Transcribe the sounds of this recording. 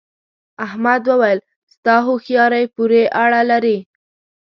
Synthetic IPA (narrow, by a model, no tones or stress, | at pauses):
ahmad̪wəwajəl | st̪ɑɦoxjɑɾajpuɾeʔaɽalaɾi